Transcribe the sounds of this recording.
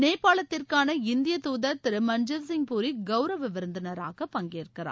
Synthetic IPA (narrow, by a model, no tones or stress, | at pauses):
neːpːaːɭɐt̪ːɪrkaːnɐɪnd̪ɪjɐt̪uːðɐɾt̪ɪɾɯmɐnd͡ʒɐls̬ɪŋpuːɾiɡɐʊɾɐʋɪʋɪɾnd̪ɐnɐɾa̰ːɣɐpɐŋɡeːrkːɪra̰ː